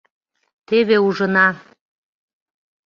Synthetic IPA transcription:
t̪eβeuʒə̆nɑ

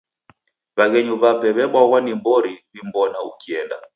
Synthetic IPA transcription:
βaɣɛɲuβapɛβɛɓwaɣwanimbɔɾiβimbɔnaṵkiɛnda

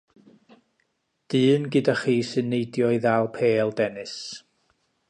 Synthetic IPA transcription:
d̥ɨːnɡɨdaχiːsɨnːejdjɔjðalˠpʰeːlˠdɛnɨs

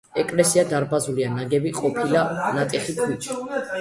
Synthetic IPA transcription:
ɛkʼlɛsiad̪aɾbazulianaɡɛbiqʼɔpʰilanat̪ʼɛχipʰwit͡ʃʰi̥

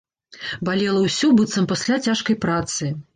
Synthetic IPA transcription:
balʲɛlˠɐwsʲubɨt̪sɐmpasʲlʲat͡sʲaʂkɐjpɾat̪sɨ

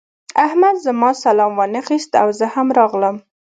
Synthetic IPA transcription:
ahmad̪zəmɑsalɑmwɑnaxist̪a̰wzəhamɾɑɣləm

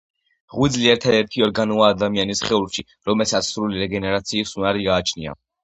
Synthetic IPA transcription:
ʁwid̪zliɛɾt̪ʰad̪ɛɾt̪ʰiɔɾɡanuaːd̪amianisχɛulʃi | ɾɔmɛlsat̪sʰsɾuliɾɛɡɛnɛɾat̪sʰiːsunaɾiɡaːt͡ʃʰnia̰

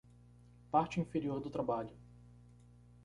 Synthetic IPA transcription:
paɾt͡ʃɪĩfeɾioɾd̪ʊt̪ɾabaʎʊ

